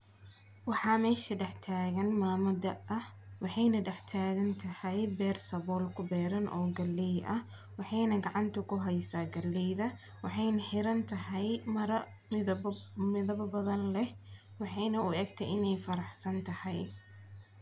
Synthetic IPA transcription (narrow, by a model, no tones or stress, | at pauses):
wɑħɑːmɛːʃɐɖɛħt̪ʰaːɣɐnmaːmɐd̪ɐʔɐhwɑħɑjnɐɖɛħt̪ʰaːɣɐnt̪ʰɐhɛjbɛːrsɐβɔːlkʰʊbɛːɾɐnʔɔːɡɐlːɛjʔɐh | wɑħɑjnɐɡɑʕɑnt̪ʰʊkʰʊɦɛjsaːɡɐlːɛjðɐ | wɑħɑjnɐħɪɾɐnt̪ʰɐɦɛjmɐɾ | mɪðɐbbɐðɐnlɛh | wɑħɑjnɐʊɛːɡt̪ʰɛjʔɪnɛjfɐɾɑħsɐnt̪ʰɐhɛj